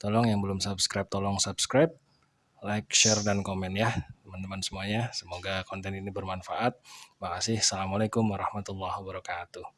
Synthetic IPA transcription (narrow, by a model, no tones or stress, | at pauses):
t̪ɔlɔŋjaŋbəlʊmsapskɾap̚t̪ɔlɔŋsabskɾap̚ | lak̚ʃɛrdankomɛnjaht̪əmant̪əmansəmuaɲasəmoɡakɔnt̪ɛninibərmanfaʔat̪̚makasɪhsalamalakʊmwaɾɑhmat̪ulːahwabəɾɔkat̪uh